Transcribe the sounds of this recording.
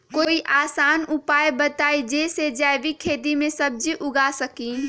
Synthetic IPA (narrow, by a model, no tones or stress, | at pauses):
koːiʔaːsaːnʊpaːjbɐt̪aːid͡ʒeːsed͡ʒaːjʋikʰeːd̪imẽsɐb̚d͡ʒiʔʊɡasɐkiː